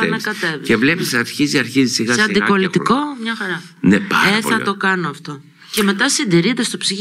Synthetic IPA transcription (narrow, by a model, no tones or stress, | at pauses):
ɐnɐkɐt̪e̞vievlepisɐɾçiziɐɾçizisiɣɐseɐnd̪ipo̞lit̪iko̞mɲɐxɐɾɐnepa̰eθo̰ɐ̰t̪o̞kɐno̞ɐft̪o̞ | ce̞me̞t̪ɐsind̪iɾid̪est̪opsiç